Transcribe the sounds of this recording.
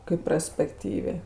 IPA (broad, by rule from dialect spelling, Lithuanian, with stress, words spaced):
kɐɪp prɐsʲpʲɛkˈtʲiːʋʲeː